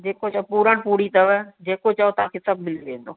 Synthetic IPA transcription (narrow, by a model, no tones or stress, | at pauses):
d͡ʑeːkot͡ɕɐopuːɾəɽ̃ɪ̆puːɾit̪ɐʋəd͡ʑeːkot͡ɕɐot̪ɐʋãːkʰeːsɐbʱmɪlʋẽːnd̪oː